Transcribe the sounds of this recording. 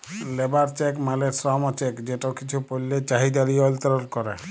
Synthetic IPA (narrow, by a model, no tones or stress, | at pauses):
lebaɾt͡ʃekmalesɾɔmɔt͡ʃekd͡ʑeʈokit͡ɕʰupolːet͡ʃaɦid̪aɾiɔlt̪ɔɾɔnkɔɾe